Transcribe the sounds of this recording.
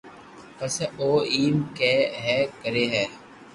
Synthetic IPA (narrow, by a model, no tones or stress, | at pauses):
pəsɛoːiːmkeːɦɛːkəɾeːɦɛː